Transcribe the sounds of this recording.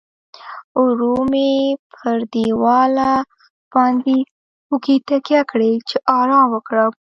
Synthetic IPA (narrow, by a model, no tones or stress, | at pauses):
uɾumepʰəɾd̪iwɑla | b̥ɑnd̪e | ukit̪akjakɽet͡ʃeʔɑɾɑwəkɽa